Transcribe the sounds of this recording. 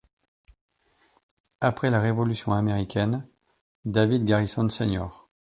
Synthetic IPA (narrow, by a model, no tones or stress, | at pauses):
apχɛlaʁevɔlysjɔ̃ameʁikʲɛn | d̪avid̪ɡʲaʁisɑ̃senɔ̰ːʁ